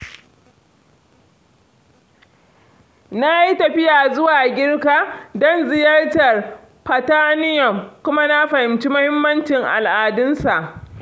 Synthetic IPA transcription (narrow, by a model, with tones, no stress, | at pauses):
na˦ji˦tɐ˨ɸɪ˦jaː˨zʊ˦waː˨ɡʲɪ˦rkaː˨dɔ˦nzɪ˨jɐ˦rtɐ˨r | ɸɐ˨taː˦nɪ˦jɔ˨mkʷʊ˦ma˦na˦ɸɐ˨hɪ˨mt͡ʃi˦mʊ˦hɪ˦mːɐ˦nt͡ʃɪ˨ŋʔa̰˨lʔaː˨dɪ˦nsa˨ʔ